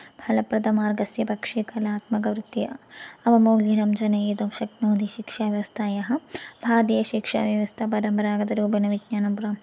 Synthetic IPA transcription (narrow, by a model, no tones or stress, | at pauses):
bʱɐlɐpɾɐd̪ɐmaːɾɡɐsjɐpɐkʂikɐlaːt̪mɐkɐʋɾit̪ːiɐʋɐmoːɡinɐmd͡ʒɐnɐjeːd̪oːmʃɐknoːd̪iʃikʂaːʋjɐʋɐst̪ʰaːjɐɦɐbʱaːd̪ijɐʃikʂa̰ːʋjɐʋɐst̪ʰɐpɐɾɐmpɐɾaːɡɐd̪ɐɾuːpinɐʋid͡ʒɲaːnɐmpɾɐm